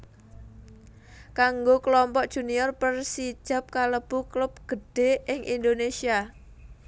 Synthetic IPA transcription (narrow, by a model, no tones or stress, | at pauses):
kaŋɡokəlɔmpɔʔd̥ʒ̥ṳniɔrpərsid̥ʒ̥ä̤p̚kaləb̥ṳklʊp̚ɡ̥əɖ̥e̤ɪŋʔind̪onesia